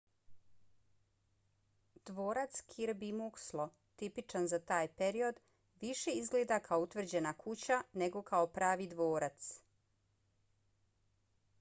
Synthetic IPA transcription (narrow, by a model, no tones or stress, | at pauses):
d̪̥ʋoːɾat̪skʰiɾbimukslˠo̞ | t̪ipit͡ʃanzat̪aːjpe̞ɾio̞d̪ | ʋiʃe̞izɡled̪akʰaout̪ʋr̩d͡ʑe̞nakut͡ɕane̞ɡo̞kʰaopɾaːʋid̪ʋoːɾat̪s